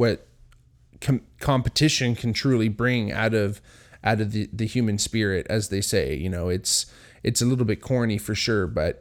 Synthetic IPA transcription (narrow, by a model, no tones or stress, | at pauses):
wʌt̚ | kʰkʰɑ̃mpɨtʰɪʃɨ̃nkʰn̩tʰɹ̥ʉlˠibɹɪ̃ŋa̰ʊɾʌv | ʔaʊɾʌvðɨðɨhjʉmɨ̃nspɪɹɪɾɨ̰zðeɪseɪjɨ̰noʊɨts | ʔɨtsəlɪɾl̩ˠbɪt̚kʰɔɹnifə˞ʃʊɹbʌt̚